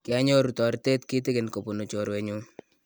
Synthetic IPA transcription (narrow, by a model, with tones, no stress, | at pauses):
kɪ˨a˦ɲo˦ɾu˨tɔ˨ɾte˦tki˦t̬ɪ˦kɪ˨nko˨po˨no˨t͡ʃo˨ɾwe˨ɲu˦